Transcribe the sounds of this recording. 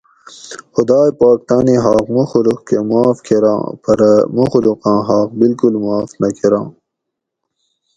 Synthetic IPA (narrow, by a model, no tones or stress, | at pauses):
xʊd̪ɑːjpaːk̚t̪ɑːniɦɑːqmuxuluqkemuaːfkʰeɾɑ̰̃ːpɐɾmuxuluqɑ̃ːɦɑːqbilkulmuaːfnɐkʰeɾɑ̃ː